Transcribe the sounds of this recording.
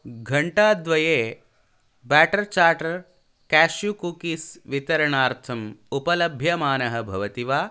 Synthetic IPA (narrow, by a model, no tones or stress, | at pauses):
ɡʱɐɳʈaːd̪ʋɐjeː | bæːʈɐɾt͡ʃaːɾʈɐɾ | kæːʃjukuːkisʋit̪ɐɾɐɳaːɾt̪ʰɐmupɐlɐbʱjɐmaːnɐɦɐbʱɐʋɐt̪iʋaː